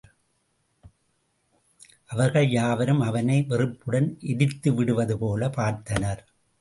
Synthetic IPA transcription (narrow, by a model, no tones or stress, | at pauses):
ʔɐʋɐɾɣɐɭjaːʋɐɾɯmɐʋɐnɐɪʋɛrɯpːɯɽɐnʔɪðɪt̪ːɯʋɪɽɯʋɐðɯpoːlɐpaːɾt̪ɐnɐɾ